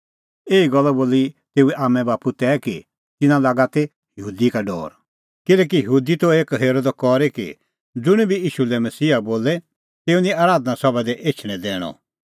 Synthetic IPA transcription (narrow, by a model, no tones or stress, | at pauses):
eːiɡɔlːɔboːlit̪eːuɛʔaːmɛ̃baːput̪ɛki | t̪ɪnãlaːɡat̪e | jəɦuːd̪ikaɖɔ̰ːɾ | kɪlɛːk̬ijɐɦuːd̪it̪oeːkɦeːɾod̪kɔɾekḭ | d͡zʊɽ̃ibʱijiːʃulɛmɐsiːaboːlɛ | t̪eːunĩaːɾaːd̪nasɔbɛd̪ɛʔeːt͡ʃʰɽ̃ɛ̃d̪ɛːɽ̃ɔ̰